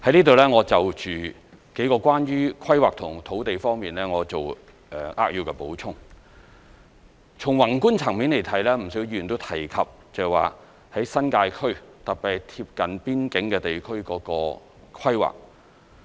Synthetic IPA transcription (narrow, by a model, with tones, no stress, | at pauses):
hɐ˨˥jniː˥t̪o˨wlɛː˥ŋɔː˨˧t͡sɐ˨wt͡ʃyː˨ | ke˨˥jkɔː˧kʷwaː˥nɥyː˥kʰɐ˥jwaː˨k̚t̪ʰʊ˨˩ŋt̪ʰo˨˥wt̪e˨jfɔː˥ŋmiː˨nlɛː˥ŋɔː˨˧t͡so˨w | ʔɛː˨ʔaː˥k̚jiː˨˧wkɛ˧po˨˥wt͡sʰʊ˥ŋ | t͡sʰʊ˨˩ŋwɐ˨˩nku˥nt͡sʰɐ˨˩ŋmiː˨˥nle˨˩jt̪ʰɐ˨˥jlɛː˥m̩˨˩sɵ˨˥wjiː˧˨nt̪o˥wt̪ʰɐ˨˩jkʰɐ˨p̚ | t͡sɐ˨wa̰ː˨ | hɐ˨˥jsɐ˥nkaː˧jkʰɵ˥ɥt̪ɐ˨k̚pɛ˨t̪ʰiː˧p̚kɐ˨˥npiː˥nkɪ˨˥ŋkɛː˧t̪e˨jkʰɵ˥ɥkɔː˨˥kɔː˧ | kʰɐ˥jwa̰ː˨k̚